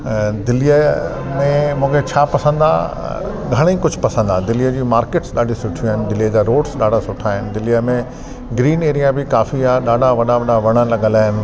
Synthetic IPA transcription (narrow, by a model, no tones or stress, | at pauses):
d̪ɪlijə | mẽmũːkʰet͡ɕʰaːpɐsə̃n̆d̪a̰ | ɡʱɐɽ̃ĩːkʊd͡ʑʱʊpɐsə̃nd̪ad̪ɪlijəd͡ʑiːmaːɾkeːʈsɗaːɗisʊʈʰiaːɦɪnɪd̪ɪlijəd͡ʑaːɾoːɖsɗaːɖʱasʊʈʰaːɦɪnɪ̆d̪ɪlijəmẽ | ɡɾiːneːɾijabʱɪkaːfiaːɗaːɖʱaʋɐɗaʋɐɗaʋɐɽ̃əlɐɠə̃laːɦɪnɪ̆